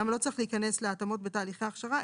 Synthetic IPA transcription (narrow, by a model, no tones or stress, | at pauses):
amalo̞t͡sɐʁixleikane̞sleat̪amo̞t̚be̞t̪aːliχeaχʃaʁa